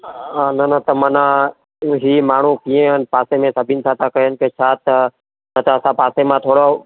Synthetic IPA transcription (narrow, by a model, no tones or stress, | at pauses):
nənət̪əmənãː | ɦiːmaːɳ̤ũːkiːẽːənpaːseːmẽːsəbʱiːnsaːt̪ʰãːkəenkeːt͡ʃʰaːt̪ə | nət̪əəsãːpaːseːmãːt̪ʰoːɽoː